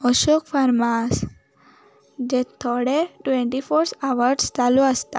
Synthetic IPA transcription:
ɔʃokfaɾmas | d͡ʑet̪ʰɔɽeʈʋẽɳʈifoɾsaʋəɾɖst͡ʃaluəst̪a

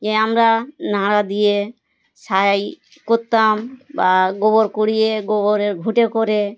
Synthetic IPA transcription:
d͡ʒɛamɾanãɾad̪ije | sajaj | kɔt̪ːambaɡɔbɔɾkɔɽijeɡɔbɔɾeɾɡʱuʈekɔɾe

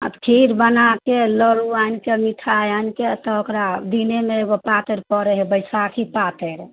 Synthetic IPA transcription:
a̰t̪kʰiɾbənakeləɾuainkemiʈʰajanket̪ɔokɾad̪inemeeɡopat̪əɾpɔɾɛɦebəjsakʰipat̪eɾ

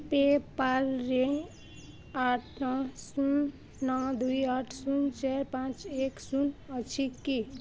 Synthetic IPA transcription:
pepaɾːẽ | aʈʰnɔsun | nʌ̃d̪ujaʈʰsunt͡ʃeɾpãt͡ʃeksunʌt͡ʃʰikːi

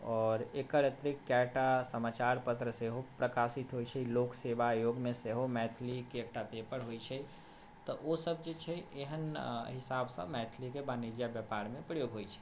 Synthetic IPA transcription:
ɔːɾekəɾət̪ɾɪkːɛʈasəmaːt͡ʃaːɾpət̪ɾəseɦopɾəkaːsɪt̪ɦoːit͡ʃʰɛiloːkseːbajoːɡmẽseɦomɛːt̪ʰlikeek̚ʈapeːpəɾɦoit͡ʃʰɛi | t̪ɔosəb̚d͡ʒet͡ʃʰɛeɦənɦɪsaːbsã̰mɛːt̪ʰlikebaːnid͡ʒjabjəpaːɾmẽpɾəjoːɡɦoit͡ʃʰɛ̥

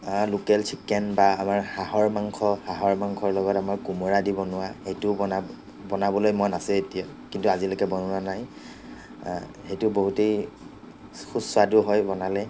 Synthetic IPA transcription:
lukɛlt͡ʃʰikːɛnbaːmaɹxaɦɔɹmaŋkʰɔhaɦɔɹmaŋkʰɔɹlɔɡɔtamaɹkumɔɹadibɔnʊwahejtʊbɔna | bɔnabɔlojmɔjnasɛetija | kintuazilokɛbɔnɔanaj | xejtʊboɦutej | xusʊadʊɦɔjbɔnalɛ

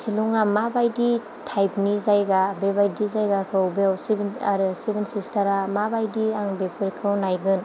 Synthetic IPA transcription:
siluŋamabajdi | tʰajp̚nizajɡabebajdizajɡakʰɯwbewsibna̰ɾɯsibinsistʰaɾamabajdiaŋbepʰɯɾikʰɯwnajɡɯn

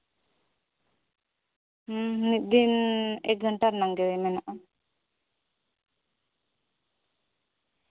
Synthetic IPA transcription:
niʔ̪̚d̪inɛ̰ɡəɳʈaɾnaŋɡɛwimɛnaʔa

